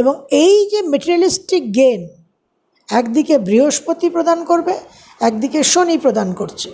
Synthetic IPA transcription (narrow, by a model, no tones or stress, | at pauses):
eboŋejd͡ʑemeʈiɾialisʈik̚ɡen | ɛkd̪ikebɾiɦoʃpot̪ipɾod̪ankoɾbe | ɛk̚d̪ikeʃonipɾod̪ankoɾt͡ɕʰe̥